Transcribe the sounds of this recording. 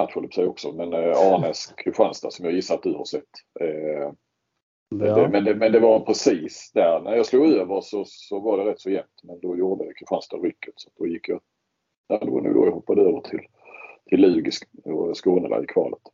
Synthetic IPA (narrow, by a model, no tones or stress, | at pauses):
at̪ɧəlpsɛjɔksɔmɛnɑːnɛskʰʉɧanst̪a̰sɔmjɑːjɪsːaɾat̪̚d̪ɵha̰ɾʂɛt̪ː | ɛmɛnd̪ɛmɛnd̪ɛvaɾpʰɾɛsiːsd̪æɾnæɾjɑːsluːɡøːvəɾʂɔsɔvaɖɛɾɛt̪ːsɔjɛmt̪mɛnd̪ɔjuːd̪əkʰɪɧanst̪aɾʏkːət̪sat̪̚d̪ɔjɪkːjɑ | jaːd̪ɛɔ̰nʉ̟̰ːɡɔ̰ɾjɑhɔpːad̪əøːvəɾt̪ʰɪl | t̪ʰɪlːʉ̟ːɡɪsɔskuːnəla̰jkʰvɑ̰ːlət̪